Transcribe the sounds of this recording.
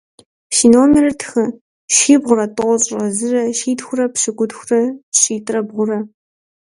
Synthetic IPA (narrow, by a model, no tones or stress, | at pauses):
ʃiːnoːmerɐtʰxɐ | ʃiːbʁʷʊɾɐtʼɨʁʷɔɕʼɐzɨrɐʃiːtxʷʊrɐpɕɪɡʷʊdxʷʊrɐɕʼiːtʼrɐbʁʷʊrɐ